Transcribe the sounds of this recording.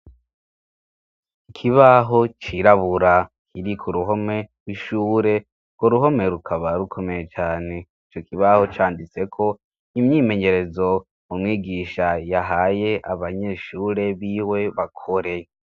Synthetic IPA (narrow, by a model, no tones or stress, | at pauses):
ikʰiβaɦo̞t͡ʃiɾaβuɾakʰiɾikʰuɾuɦo̞me̞wiʃuːɾe̞ | ɡwoɾuɦo̞me̞ɾukʰaβaɾukʰo̞me̞je̞t͡ʃaːne̞it͡ʃo̞kiβaho̞t͡ʃaːndit͡se̞kʰo̞ | imɲiːme̞ɲe̞ɾe̞zo̞ | umŋiːɡiʃajaɦajeʔaβaɲe̞ʃuːɾe̞βiːwe̞βakʰoɾe̞